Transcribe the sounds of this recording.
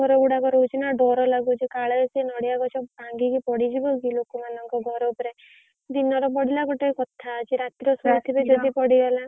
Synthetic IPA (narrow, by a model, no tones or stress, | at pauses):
ɔɾɔuɽakɔɾɔɦut͡ʃʰinaɖɔɾɔlaɡut͡ʃʰikaɭesenɔɽijaɡɔt͡ʃʰɔbʱaŋɡikipɔɽid͡ʒibɔkilokɔmanɔŋkɔɡʱɔɾɔupɔɾe | d̪inɔɾɔpɔɽilakɔʈekɔt̪ʰat͡ʃiɾat̪iɾɔsɔt̪ʰibed͡ʒɔd̪ipɔɽiɡala